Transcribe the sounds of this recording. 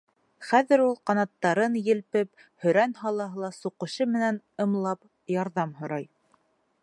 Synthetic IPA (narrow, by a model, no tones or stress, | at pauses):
χæðɘ̆ɾulˠqɑnɑt̪ːɑɾɤnjɘ̆lpɘp | hɵ̆ɾænhɑlˠɑɦɤ̆lˠɑsuqɤ̆ʃɤmɘ̆næn | ɤ̆mlˠɑp | jɑɾðɑmɦŏɾɑj